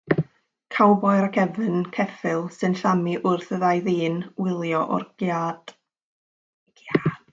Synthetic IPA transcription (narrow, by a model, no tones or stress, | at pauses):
kʰawbɔɨɾakʰɛvɨnkʰɛfɪlˠsɨnɬamiʔʊrθəðajðiːnwɪlˠjɔʔɔ̰rɡad̥ | a